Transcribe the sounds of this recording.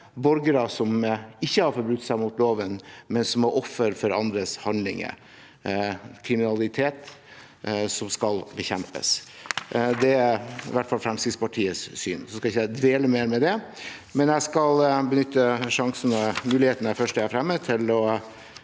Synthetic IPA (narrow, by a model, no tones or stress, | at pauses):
bɔɾɡəɾəsɔmɪçːəhɑɾfɔɾbɾʉt̪ːsæɪmʊt̪loːʋənmɛnsɔmæɾʔɔfːəɾfɔɾɑnd̪ɾəshɑnd̪lɪ̰ŋə̰ | kʰɾɪmɪnɑlɪt̪ʰeːt̪ | sɔmskɑlbəçɛmpə̰s | d̪ɛæɪ̰ʋæʈfɑlfɾɛmsɪspʰɑʈʰiːəssy̰ːnsɔskɑɪçːəd̪ʋeːləmeːɾmɛd̪ɛmɛnjæskɑlbənʏt̪ːəʂɑŋsənəmʉːlɪheːt̪ənəfœʂʈəæɾfɾɛmːət̪ʰɪlɔ